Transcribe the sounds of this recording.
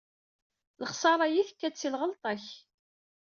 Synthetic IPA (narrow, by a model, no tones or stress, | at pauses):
ləχsˤɑɾˤɑjiθə̥kːæt͡sːilʁəlt̪ˤɑç